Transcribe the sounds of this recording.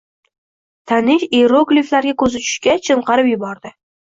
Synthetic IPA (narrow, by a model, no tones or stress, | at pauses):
t̪ʰanɪʃeɾoɡlʲiflaɾɡʲakʰɵzɪt͡ʃʰʊ̥ʃkʲat͡ʃʰɪmqʰɑɾɪpjʊbɒɾd̪ɪ